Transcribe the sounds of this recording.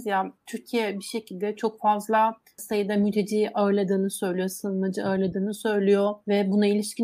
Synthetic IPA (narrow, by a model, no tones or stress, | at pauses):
zjat̪ʰyɾcʰijɛbiʃe̞cʰilʲd̪ɛt͡ʃʰo̞kfazlˠa | sajɯd̪amyt̪ʰe̞d͡ʒiːʔaɯɾlˠad̪ɯːnɯsø̞jlʲijo̞sɯnmad͡ʒɯaɯɾlˠad̪ɯːnɯsø̞jlʲijovɛbunailʲiʃci